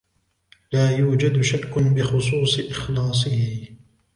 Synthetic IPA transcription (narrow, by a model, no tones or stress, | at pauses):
laːjuːd͡ʒad̪ʃakːʊbɪxʊs̬ˤuːsˤɨʔɪxlɑːs̬ˤɨhɪ